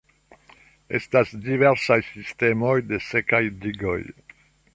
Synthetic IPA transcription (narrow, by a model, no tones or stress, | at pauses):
ɛst̪asd̪ivɛʁsajsist̪ɛmojd̪esɛkajd̪iɡo̰j